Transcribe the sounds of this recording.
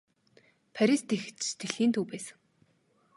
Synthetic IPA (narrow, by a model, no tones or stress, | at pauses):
pʰæɾʲist̪ʰex̆t͡ɕst̪ʰeɮxiːnt̪ʰuːpæːsə̥̆ŋ